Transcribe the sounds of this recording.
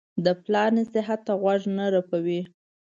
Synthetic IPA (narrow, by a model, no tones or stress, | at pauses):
d̪əplɑnesɪɦat̪ːaɣwaʐnaɾapawi